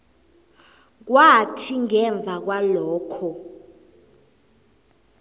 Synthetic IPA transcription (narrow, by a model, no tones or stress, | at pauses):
k̬watʰiŋɛɱb̪vʱak̬walɔːkʰɔ